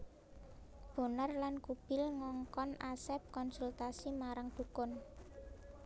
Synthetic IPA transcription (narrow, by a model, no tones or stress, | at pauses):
b̥o̤nərlankub̥ɪ̤lŋɔŋkɔnʔasɛp̚kɔnsult̪asimaɾaŋd̪̥ṳkʊn